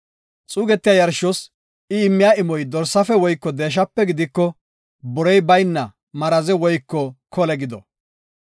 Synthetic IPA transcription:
t͡sʼuːɡɛt̪ːɪjaːjɐɾʃɔs | ʔɪɪmːɪjaːɪmɔjd̪ɔɾsːɐfɛwɔjkːɔd̪e̞ːʃ̬ɐpːɛɡɪd̪ɪkːɔ | bɔɾɛjbɐjnːɐ | mɐɾɐzɛwɔjkːɔkʰɔlɛɡɪd̪ɔ̰

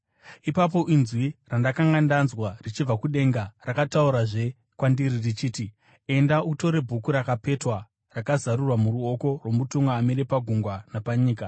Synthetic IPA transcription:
ipap̬o̞ʔinzwirandakaŋɡandanzwarit͡ʃivb͡vakuɗe̞ŋɡarakatauɾaʐe̞ | kwandiɾirit͡ʃiːti | e̞ndauto̞ɾe̞bʱukuɾakape̞twa | rakazaɾurwamuruo̞ko̞rwo̞mutuŋaːmiɾe̞paɡʱuŋɡwanapaɲiːka

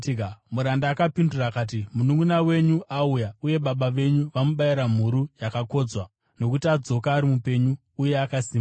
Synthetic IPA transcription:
muɾandaːkapindurakaːt̬imunuŋɡunawe̞ɲuʔaujauje̞ɓaɓaʋe̞ɲuʋamuɓaiɾam̤uɾujakako̞ːd͡zwa | no̞kutiad͡zo̞kaːɾimupe̞ɲuː | je̞akasiːm

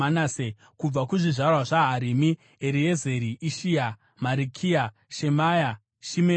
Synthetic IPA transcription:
anase | kub͡vakuʐiʐarwaʐaɦaɾimi | eɾie̞ze̞ɾiʔiʃia | maɾikʰia | ʃe̞maja | ʃime

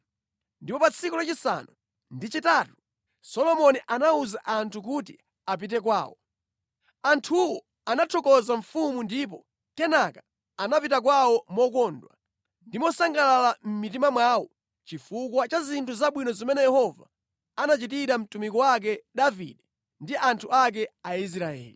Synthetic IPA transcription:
ndipɔpat͡sʰikulat͡ʃisa̰nu | ndit͡ʃitatu | sɔlɔmɔniʔanauzaʔantʰukutḭ | ap̬it̬ɛkwa̰ːwɔ | antʰuwɔ | anatʰɔkɔzaɱfumundip̬ɔ | kɛnaka | anapitak̬wawɔmɔkɔːndwa̰ | ndimɔsaŋɡalalam̩mit̬imamwawɔ̰ | t͡ʃifukwat͡ʃazintʰuzaɓwinɔzimɛnɛjɛhɔva̰ː | nat͡ʃitiɾam̩tumikɔwak̬ɛɗavḭɗɛ | ndiʔantʰuak̬ɛais̬ɾaɛ̰ːli

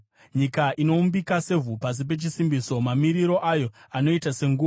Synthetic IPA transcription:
ɲikaʔino̞umbikase̞vupas̬ip̬e̞t͡ʃisimbiso̞mamiɾiɾo̞ʔajo̞ano̞itase̞ŋɡu

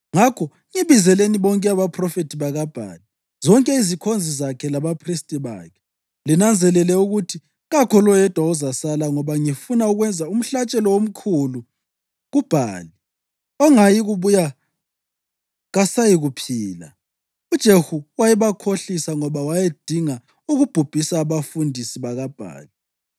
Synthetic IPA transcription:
ŋakʰɔ | ŋiβizɛleniβɔŋkʼɛaβapʰrɔfetʰiβaɣab̥ʱa̰ːli | zɔŋkʼɛizikʰond͡zʱizakʰɛlaβapʰristʼiβa̰ːkʰɛ̥ | linand͡zʱɛlɛlɛuɣutʰi | ɣakʰɔlɔjɛd̥ʱwauzasalaŋɔβaŋifunauɣwɛnd͡zʱaum̩ɬat͡ʃʼɛlɔwom̩kʰulu | ɣub̥ʱa̰ːli | ɔŋajiɣuβuja | ɣasajiɣupʰiːla̰ | ud̥ʒ̥ʱehuwajiβakʰoɬisaŋɔβawajed̥ʱiŋa | uɣub̥ʱub̥ʱisaːβafundʱisiβaɣab̥ʱa̰ːli

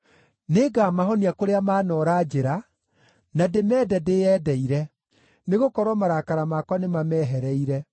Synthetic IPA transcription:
neɡaːmaɦɔniakoɾeamaːnɔːɾad͡ʑeɾa | nademɛːdɛdejɛːdɛiɾɛ | neɣokɔɾwɔmaɾakaɾamakwanemamɛːɦɛɾɛiɾɛ

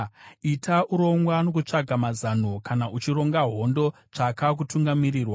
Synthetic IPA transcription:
itʰaʔuɾo̞ŋɡwano̞kut͡ʂaɡʱamazano̞kanaʔut͡ʃiɾo̞ŋɡaɦo̞ndo̞ | t͡ʂakak̬utuŋɡamiɾiːrwa

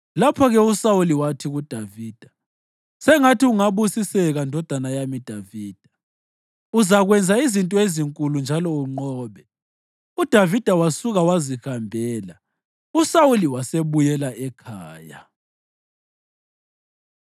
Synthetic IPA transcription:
lapʰɔɣɛusauliwatʰiɣud̥ʱaviːd̥ʱḁ | sɛŋatʰiuŋaβusisɛɣandʱɔd̥ʱanajamid̥ʱaviːd̥ʱḁ | uzaɣwɛnd͡zʱaizintʼɔeziŋkʼulund͡ʒʱalɔuŋ͡ǃɔːβɛ | ud̥ʱavid̥ʱawasuɣawazihambʱɛːla | usauliwaseβujɛlaʔɛkʰaːja̰

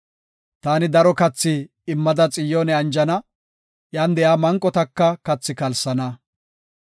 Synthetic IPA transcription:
t̪aːnɪd̪ɐɾɔkɐt͡sːɪː | mːɐd̪ɐt͡sʼɪjːoːnɛɐnd͡ʒɐnɐ | jaːnd̪ɛjaːmɐŋkʼːɔt̪ɐkːɐkɐt͡sːɪkɐlsːɐnɐ

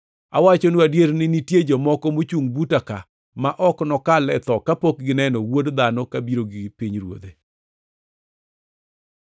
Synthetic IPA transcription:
a̰wat͡ʃonuadjeɾnɪnitjed͡ʒɔmɔkɔmot͡ʃuŋbutaka̰ | maʔɔknɔkalɛt̪ɔkapok̚ɡɪnɛnɔwodd̪anɔkabiɾoɡɪpiɲɾwo̰d̪e

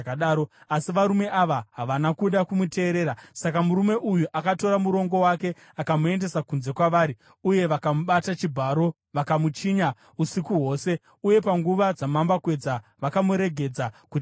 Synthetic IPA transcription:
aɗaːɾoasiʋaɾume̞ʔaʋaɦaʋanakuɗakumute̞ːɾe̞ːɾasakamuɾume̞ʔujuʔakato̞ɾamuɾo̞ŋɡo̞wake̞ | akamue̞nde̞sakunze̞kwaʋaːɾi | uje̞ʋakamuɓatat͡ʃibʱaɾo̞ | ʋakamut͡ʃiɲa | usikuɦo̞ːse̞ | uje̞paŋɡuʋad͡zamambakwe̞d͡zaʋakamuɾe̞ɡʱe̞d͡zaku

